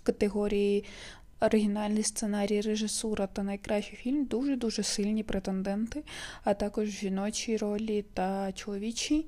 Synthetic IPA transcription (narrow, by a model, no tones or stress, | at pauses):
kɐt̪eɦɔɾʲiji | ɔɾɪɦʲinɑlʲnijst̪senɑɾʲijireʒɪsuɾɐt̪ɐnɐjkɾɑʃʲɪjfʲilʲmd̪uʒɛd̪uʒɛsɪlʲnʲipɾʔet̪end̪ɛnt̪ɪɐt̪ɑkɔʒʒʲinɔt͡ʃiɾɔlʲit̪ɐt͡ʃelˠɔʋʲit͡ʃʲi